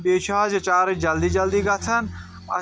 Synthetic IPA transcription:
beːt͡ʃʰad͡ʒt͡ʃaːɾd͡ʒɐld̪id͡ʒɐld̪iɡɐt̪ʰɐn | ɐ̰

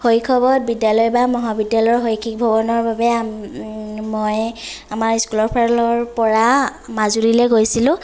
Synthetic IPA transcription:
hojkʰɔbɔt̚bidjalɔjbamɔɦabidjalɔjɹɦojkʰik̚bʱɔbɔnɔɹbabɛ | mɔjamaɹiskulɔɹpʰaɹlɔɹpɔɹamazuɹilɛɡojsilʊ̃

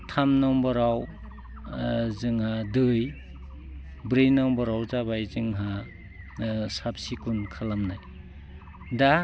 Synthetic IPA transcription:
tʰamnɔmbaɾaw | zɯŋhadɯj | bɾenawmbaɾawzaβajzɯŋɦa | sapsikunkʰalamnaj | da

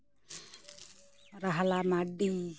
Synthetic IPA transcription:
ɾaɦlamaɖi

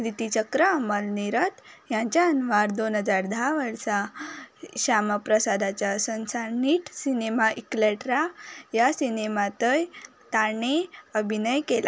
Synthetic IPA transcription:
ɾit̪it͡ɕəkɾəəməlniɾət̪jãɲt͡ɕjaənʋaɾd̪onɦəd͡zaɾd̪ʱaʋəɾsa | ɕamapɾəsad̪ʱat͡ɕjasənsaɾniʈsinemaʔikleʈɾajasinemat̪əj | t̪aɳ̃eəbʱinəjkela

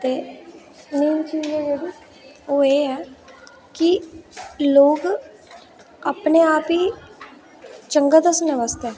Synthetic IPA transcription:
t̪eː | niːmt͡ʃiːzeːd͡ʒeːɽiː | oːeːɛː | kɪ | loːɡ | aːpneːaːpiː | t͡ʃəŋɡaːd̪əsənɛːʋaːst̪eɛː

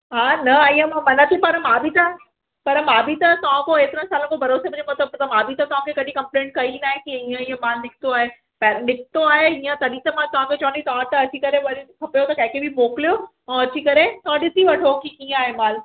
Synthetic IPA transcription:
ɦãːnɐaːijə̃mãmɐnət̪ʰipɐɾɐmaːbʱit̪ɐ | pɐɾɐmaːbʱit̪ɐt̪ɐʋ̤ãkoet̪ɾə̃saːlə̃kobʱɐɾoːsebɐ̃d͡ʑomɐt̪ləbt̪ɐmaːbʱit̪ɐt̪ɐʋ̤ãkʰekɐɗĩkɐ̃mplẽːɳʈ̚kɐinaːɦẽkiɦiə̃iːə̃mãːnnɪk̚ʰt̪oaːɦe | pɛɾnɪkʰt̪oaːɦeiə̃t̪ɐɗit̪ɐmãt̪ɐʋ̤ãket͡ɕɐʋ̃nit̪ɐʋ̤ãt̪ɐɐt͡ɕikɐɾẽʋɐɾikʰɐpjot̪ɐkɐ̃ɦɪ̃kebʱimoːklijo | ɛ̃ːɐt͡ɕʰikɐɾẽt̪ɐʋãɗɪt̪iʋɐʈʰokikĩːaːɦemaːl

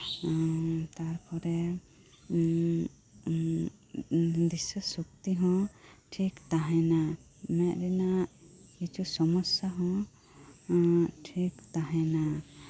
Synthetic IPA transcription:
t̪aɾpʰɔɾɛ | d̪isəsuk̚t̪iɦɔ̃ʈʰikt̪aɦɛ̃na | mɛʔ̚ɾɛnaʔkit͡ʃʰusɔmɔsjaɦɔ̃ | ʈʰikt̪aɦɛ̃na

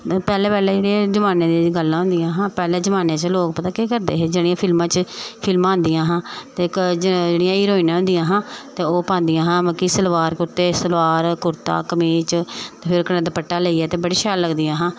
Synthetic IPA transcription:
pɛːlɛ̃ːpɛːlɛːd͡ʒeːɽiãːd͡ʒəmaːnẽːd̪eːɡəlːãːɦʊ̃nd̪ɪjãːɦãːpɛːlɛːd͡ʒəmaːnẽːt͡ʃəloːkpət̪aːkeːkəɾd̪eːɦeːd͡ʒeːɽijãːpʰɪlmãːt͡ʃpʰɪlmãːɦʊnd̪ijãːɦãːt̪eːkd͡ʒd͡ʒeːɽɪjãːiːɾoːinãːɦʊ̃nd̪ɪjãːɦãːt̪eːoːpãːnd̪ɪjãːɦãːməkiːsəlʋaːɾkʊɾt̪eːsəlʋaːɾkʊɾt̪a̰ːkəmiːt͡ʃt̪eːpʰɪɾkənãːd̪pəʈːaːləiːɛːt̪eːbəɽeːʃaːlːəɡd̪ijãːɦãː

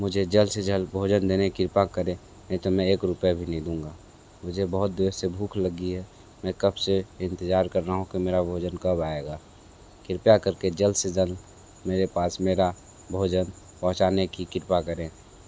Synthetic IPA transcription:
mʊd͡ʒʱed͡ʒəlsed͡ʒəlbʱod͡ʒənd̪enekɪɾpakəɾẽ | ɦɛ̃t̪omɛ̃eːkɾʊpjabʱinəĩd̪ũːŋɡa | mʊd͡ʒʱebəɦʊt̪̚d̪esebʱuːkʰləɡiɦɛ | mɛ̃kəbseɪ̃nt̪ɪd͡ʒaːɾkəɾnaɦũkimeːɾabʱoːd͡ʒənkəbaeɡaː | kɪɾpjakəɾked͡ʒəlsed͡ʒəl | meːɾepaːsmeːɾa | bʱoːd͡ʒən | pɔ̃ɦʊ̃t͡ʃanekikɪɾpakəɾẽ

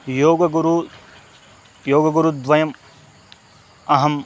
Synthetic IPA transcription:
joːɡɐɡuɾu | joːɡɐɡuɾud̪ʋɐjɐm | ɐɦɐm

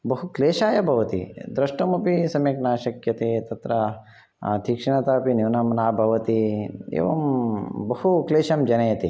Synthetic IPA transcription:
bɐɦukleːʃaːjɐbʱɐʋɐt̪ḭd̪ɾɐʂʈɐmɐpisɐmeknaːʃɐkjɐt̪eːt̪ɐt̪ɾɐ̰ | t̪ʰikʂɐɳɐt̪apiniwnɐmnaːbʱɐʋɐt̪iḛːʋɐmbɐhukleːʃɐmd͡ʒɐnɐjɐt̪i

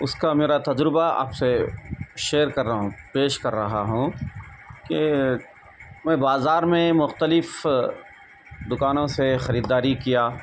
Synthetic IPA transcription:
ʊskameːɾat̪ɐd͡ʒɾɪbaa̰ːpseʃeːɾkɐɾ̃ːpeːʃkɐɾːɐɦaɦũ | ke | mɛ̃ːbaːzaːɾmẽmʊxt̪əlɪf | d̪ʊkaːnõsexɐɾiːd̪aːɾikijaː

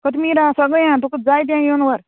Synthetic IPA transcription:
kət̪miːɾasəɡəjãt̪ukəd͡zajt̪̬jãjonʋəɾ

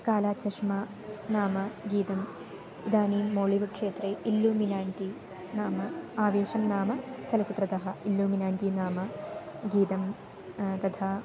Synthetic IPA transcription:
kaːlaːtt͡ɕɐʂmaː | naːmɐɡiːd̪ɐm | id̪aːniːmːoːɭiʋuʈ̚kʂeːt̪ɾeːilːuːminaːnt̪i | naːmɐaːʋeːʂɐmnaːmɐt͡ɕɐlɐt͡ɕit̪ɾɐd̪ɐɦɐʔilːuːminaːnt̪inaːmɐɡiːd̪ɐm | t̪ɐd̪ʰaː

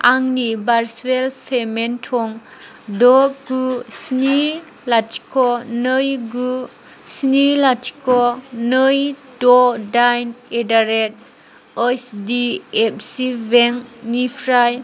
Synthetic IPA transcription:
aŋnibaɾswelpʰementʰɔŋ | dɔɡusni | latʰi̥kʰɔnɯjɡu | snilatʰi̥kɔnɯjdɔdajnedaɾet̚ | ɔsdiep̚siveŋnipʰɾaj

